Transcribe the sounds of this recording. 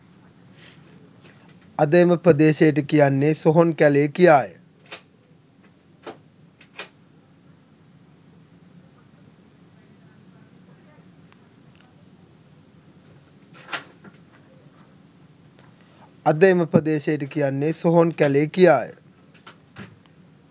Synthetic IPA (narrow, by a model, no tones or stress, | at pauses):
ad̪əjməpɾəd̪eːʃejəʈ̬əkijanːesoɦonkæleːkijaːjə̰ | ad̪ejməpɾəd̪eːʃejəʈ̬əkijanːesoɦonkælekijaːjə̰